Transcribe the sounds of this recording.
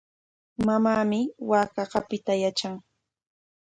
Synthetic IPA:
mamaːmɪwaːkɑɢɑpɪt̪ajat͡ʃaŋ

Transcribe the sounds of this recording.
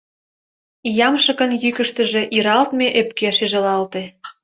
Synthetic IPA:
jɑmʃə̆kə̆njykə̆ʃt̪ə̆ʒĕʔiɾɑlt̪meʔepkeʃeʒəlɑlt̪e

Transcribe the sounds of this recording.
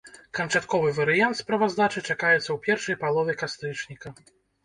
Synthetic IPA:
kɐnt͡ʂat̪kɔvɨvɐɾɨjant̪spɾɐvazd̪at͡ʂɨt͡ʂakajɛt̪sːɐwpʲɛrʂɐjpalˠɔvʲɛkast̪ɾɨt͡ʂnʲikɐ

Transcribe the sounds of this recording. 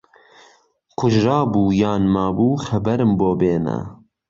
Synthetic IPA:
kʰʊʒɾɑːbuːjɑːnmaːbuːxɐbɐɾɨmboːbeːnɛ̰

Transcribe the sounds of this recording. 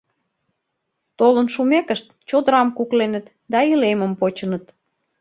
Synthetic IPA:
t̪olənʃumekəʃt̪t͡ɕod̪əɾɑmkuklenət̪ | d̪ɑilemə̆mpot͡ɕənət̪

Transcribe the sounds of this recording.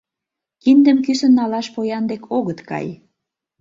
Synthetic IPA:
kind̪əmkysə̆nːɑlɑʃpojɑnd̪ekʰoɣət̪kɑ̰j

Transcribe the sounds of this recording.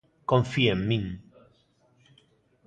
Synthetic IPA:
kõɱfiemmĩŋ

